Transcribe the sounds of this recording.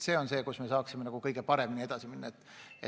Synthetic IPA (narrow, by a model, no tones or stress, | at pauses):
se̞ːo̞nse̞ːkusme̞sɑːksimenɑɡ̥ukɤjɡ̥e̞pɑɾe̞minie̞d̪̥ɑsiminːɑet̪ːˑe